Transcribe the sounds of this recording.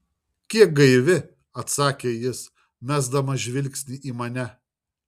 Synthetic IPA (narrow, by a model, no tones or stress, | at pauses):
kʲiɛk̚ɡɐɪʋʲɪ | ɐt̪sɑːkʲejɪs | mʲæːzd̪ɐmɐʒʲʋʲɪlʲksʲnʲɪʔiːmɐnʲɛ